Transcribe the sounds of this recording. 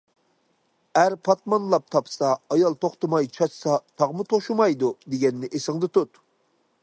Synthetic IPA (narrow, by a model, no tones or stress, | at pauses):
æɾpʰɑt̪̚mɑnlˠɑp̚t̪ʰɑpsɑːjɑlˠt̪ʰoχt̪ɨmɑjt͡ʃʰɑt͡ʃsɑt̪ʰɑʁmut̪ʰoʃumɑjd̪ud̪eɡʲɛnːɪʔesɪŋd̪ɨt̪ut̪